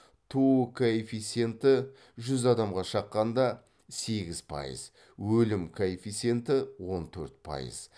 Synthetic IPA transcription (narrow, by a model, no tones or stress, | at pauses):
t̪ʰukʰoefit̪se̞nt̪ɪ | ʒʏzɑd̪ɑmʁɑʃɑqːɑnd̪ɑ | se̞ɡʲɪz̥pʰɑ̰jə̰z | wɵlɪmkʰoefit̪se̞nt̪ɪwo̞nt̪ʰɵɾt̪̚pʰɑ̰jə̰z̥